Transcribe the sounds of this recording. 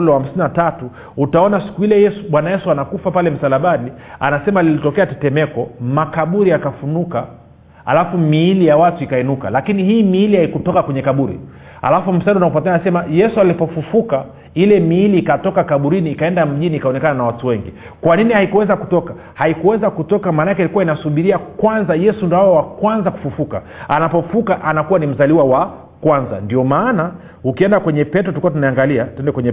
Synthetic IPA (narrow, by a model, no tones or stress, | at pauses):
lwaham̩sininatatu | utaɔnasi̥kuilɛjɛsuɓwanajɛsuanakufapalɛm̩salaɓaɗia̰nasɛmalilitɔkɛatɛtɛmɛkɔmakaɓuɾiakafunuka | a̰lafumiilijawatuikaɛnuka̰lakinihiːmiilihaikutɔkakwɛɲɛkaɓuɾḭ | a̰lafum̩saɗiunakupatɛaasɛmajɛsualipɔfufuka | ilɛmiːliːkatɔkakaɓuɾiniːkaɛndam̩ʄiniːkaɔnɛkananawatuwɛŋɡi | kwaninihaikuwɛzakutɔka | haikuwɛzakutɔkamaːnakɛilikuwainasuɓiɾiakwanzajɛsundɔajɔwakwanzaku̥fufuka̰ | anapɔffukaʔanakuwanim̩zaliwawa | kwanza̰ndiɔmaːna | ukiɛndakwɛɲɛpɛtɔtukuwatunaaŋɡaliatuɛndɛkwɛɲɛ